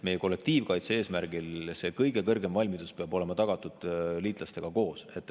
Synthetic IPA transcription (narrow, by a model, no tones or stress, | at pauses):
me̞jeko̞lːe̞k̚t̪iːvkɑjt̪see̞ːsmærɡ̥ilse̞ːkɤjɡ̥e̞kɤrɡe̞mvɑlʲmid̪uspeɑbo̞le̞mɑt̪ɑɡ̥ɑt̪ːˑud̪̥liːt̪lɑst̪e̞ɡ̥ɑko̞ːse̞t̪ːˑ